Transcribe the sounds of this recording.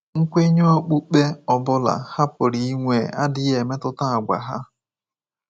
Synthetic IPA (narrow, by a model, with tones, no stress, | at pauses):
ŋ̩˦kʷe˦ɲo˦o˦k͡pu˦k͡pe˦ɔ˨bʊ˦la̰˨ha˦pʊ˨ɾi˨˦i˦ŋʷe˨a˦dɪ˦ɣe˨me˦tʊ˦ta˦a˨ɡʷa̰˨ɦa̰˦